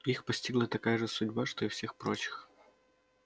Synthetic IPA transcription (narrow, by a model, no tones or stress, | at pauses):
ixpɐsʲtʲiɡlˠət̪ɐkajəʐɨsʊdʲbaʂt̪o̞ɪfsʲe̞xpɾot͡ɕɪ̥x